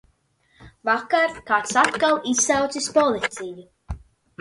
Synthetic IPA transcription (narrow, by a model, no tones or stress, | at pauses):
vakaɾkaːt̪sat̪kalˠisːawt̪sispɔlˠit̪sʲiju